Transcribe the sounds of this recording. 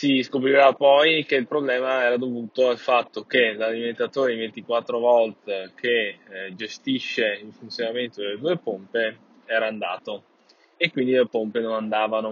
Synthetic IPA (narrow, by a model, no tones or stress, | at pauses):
siskopɾiɾapɔjk̟eilpɾoblɛːmaɛːɾad̪ovuːt̪oalfat̪ːokelaliment̪at̪oːɾeivent̪ikwat̪ːɾovɔlt̪ekʰed͡ʒest̪iʃːeilfunt̪sjonament̪od̪elːed̪uːepompe | ɛːɾaːnd̪a̰ːt̪o | ekːwind̪ilepompenonand̪aːvano